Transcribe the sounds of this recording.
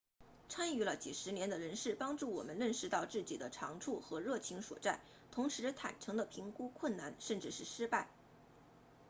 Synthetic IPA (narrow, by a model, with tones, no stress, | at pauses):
ʈ͡ʂʰa˥ny˧˩lə˧t͡ɕi˨˩ʂɻ̩˧˥njɛ˧˥nd̪ə˧ɻə˧˥nʂɻ̩˥˩pɑ˥ŋʈ͡ʂu˥˩wɔ̰˨˩mə˦nlə˥˩nʂɻ̩˧t̪ɑ˥˧ʊt͡sɹ̩˥˩t͡ɕḭ˨˩d̪ə˦ʈ͡ʂʰɑ˧˥ŋʈ͡ʂʰu˥˩xɤ˧˥ɻɤ˥˩t͡ɕʰi˧˥ŋswɔ̰˨˩t͡sa˥˩ɪ | t̪ʰʊ˧˥ŋʂɻ̩˧˥t̪ʰa̰˨˩nʈ͡ʂʰɤ˧˥ŋd̪ə˧pʰi˧˥ŋku˥kʰwə˥˩nna˥˧nʂə˥˧nʈ͡ʂɻ̩˥˧ʂɻ̩˥˩ʂɻ̩˥pa˥˩ɪ